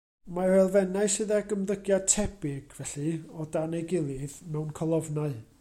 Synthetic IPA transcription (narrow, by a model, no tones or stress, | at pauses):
maɛlˠvɛnaɨsɨðaɡəmðəɡjad̚tʰɛb̥ɪɡ̥vɛɬɨɔdanɛɡɪlˠɨðmɛwnkʰɔlˠɔvnaɨ